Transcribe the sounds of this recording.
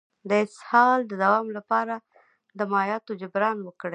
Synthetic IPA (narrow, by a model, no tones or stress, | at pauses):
d̪əɪshɑld̪əd̪awɑmlapɑɾa | d̪əmɑjɑt̪od͡ʒʊbɾɑnwəkɽe